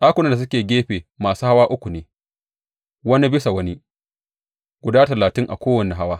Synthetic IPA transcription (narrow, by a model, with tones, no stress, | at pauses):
ʔaː˦kʷʊ˨nɐ˦nda˨s̬ʊ˦kʲeː˨ɡʲeː˦ɸeː˨maː˨suː˦ha˦waː˦ʔʊ˦kʷu˨neː˨ | wɐ˦ni˦bɪ˦sa˨wɐ˦ni˦ | ɡ̥ʷʊ˨daː˦tɐ˨laː˨tɪ˦ŋʔa̰˨kʷoː˦wɐ˨ni˨ɦa˦waː˦